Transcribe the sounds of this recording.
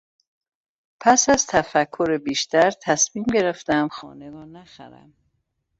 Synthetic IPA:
pʰæsæzt̪ʰæfækʰːoɾebiːʃt̪ʰæɾt̪ʰæsmiːmɟe̞ɾeft̪æmxɒ̰ːneɾɒːnæxæ̰ɾæ̰m

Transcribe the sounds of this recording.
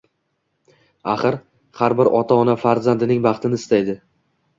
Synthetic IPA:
aχɨɾ | haɾbɪɾʔɒt̪ʰaɒnafaɾzand̪ɪnɪŋbɑχt̪ʰɪnɪɪst̪ajd̪ɪ

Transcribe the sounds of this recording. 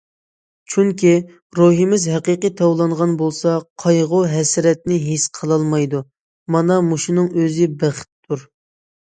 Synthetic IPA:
t͡ʃʰyŋkʲʰi | ɾoɦimɪzɦæqiqət̪ʰɑwlˠɑɴʁɑnbolˠsɑqʰɑjʁʊɦɛsɪɾɛt̪̚nɪɦisqʰəlˠɑlˠmɑjd̪u | mɑnɑmuʃunɨŋøzɪbæχɪ̥t̪d̪uɾ

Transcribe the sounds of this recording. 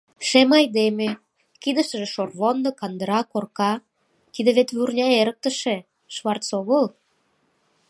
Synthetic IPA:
ʃemɑjd̪eme | kid̪əʃt̪ə̆ʒeʃorβond̪okɑnd̪əɾɑkorkɑ | t̪id̪ĕβet̪βurnʲɑeɾək̚t̪ə̆ʃĕ | ʃβɑrt͡soɣəl

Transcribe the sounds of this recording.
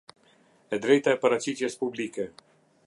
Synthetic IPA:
ɛd̪ɾɛjt̪aɛpaɾat͡ɕit̪jɛspublikɛ

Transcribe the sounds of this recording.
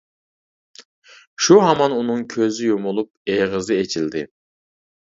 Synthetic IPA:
ʃuɦɑmɑnunɨŋkʲʰøzɪjomolˠup̚eʁəzɪet͡ʃʰild̪ɪ

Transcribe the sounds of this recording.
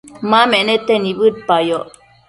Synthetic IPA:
mamenet̪enibɨt̪̚pajo

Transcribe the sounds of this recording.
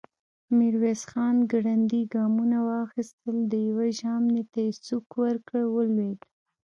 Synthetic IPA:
miɾwesxɑnɡɽand̪iɡɑmunawɑxist̪əld̪əjawaʒɑmnet̪asukwəɾkəwəlwed̪

